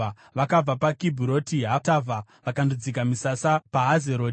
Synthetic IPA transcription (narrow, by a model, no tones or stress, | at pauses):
ʋakab͡vapakibʱuɾo̞tiɦatava | ʋakandud͡zikamisasapaɦazeɾoː